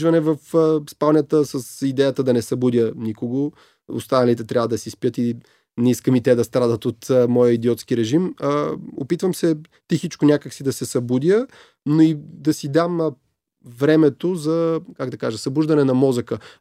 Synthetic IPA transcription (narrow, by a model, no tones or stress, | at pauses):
vɐnɛvəfspalˠnʲət̪əsəsid̪ɛjət̪əd̪ɐnɛsɐbud̪ʲjənikoɡo | o̰st̪anɐlit̪ɛt̪ɾʲavəd̪ɐsispijət̪i | nɛiskəmit̪ɛd̪ɐst̪ɾad̪ət̪ot̪mɔjəid̪iɔt̪skiɾɛʒim | o̰pit̪vəmsɛ | t̪ixit͡ʃkonʲakəksid̪ɐsɛsɐbud̪ʲjə | noid̪ɐsid̪am | vɾɛmɛt̪ozɐkaɡd̪ɐkaʒɐsɐbuʒd̪ɐnɛnɐmɔzəkə